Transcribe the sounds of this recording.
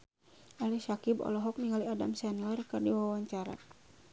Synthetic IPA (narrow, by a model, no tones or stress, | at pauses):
ʔalɛsakibɔ̰lɔɦɔk̚niŋaliadamsɛnlɛrkardiwawaɲt͡ʃaɾa̰